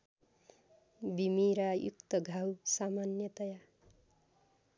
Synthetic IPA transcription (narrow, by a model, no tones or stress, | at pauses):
bimiɾajṵkt̪ʌɡʱawsamanjʌt̪ʌja